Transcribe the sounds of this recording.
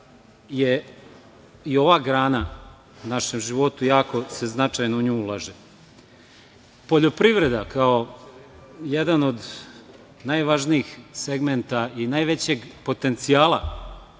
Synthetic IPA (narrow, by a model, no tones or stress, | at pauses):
je | io̞ʋaːɡɾaːna | unaʃemʒiʋo̞t̪ujaːko̞seznat͡ʂajnouɲuːulˠaːʒe | po̞ʎo̞pɾiʋɾe̞d̪akao̞ | jed̪ano̞d̪ | najʋaʒniixseɡment̪ainajʋe̞t͡ɕe̞ɡpo̞t̪e̞nt̪siaːlˠa